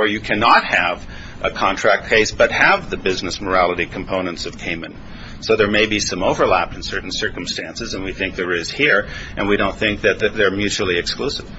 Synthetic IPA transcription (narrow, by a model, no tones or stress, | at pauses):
ə˞jɨkʰænɑt̚hɨv | ʔəkʰɑ̃ntʰɹ̥æk̚ʰeɪsb̥ʌt̚hɨvðɨbɪznɨsmə˞ælˠəɾikʰm̩pʰõʊ̃nə̃ntsʌv̥kʰẽɪ̃mɨ̃n | soʊðə˞meɪbisʌ̃moʊvə˞læp̚n̩sɜ˞ʔn̩sɜ˞km̩stæ̃nsɨzɨ̃nwiθɪ̃ŋk̚ðə˞ɪz̥hiɹʔɨ̃nwiɾõʊ̃nθɪ̃ŋk̚ðɨt̪̚ðɨt̪̚ðə˞mjʉt͡ʃul̩ˠiɨksklusɨv̥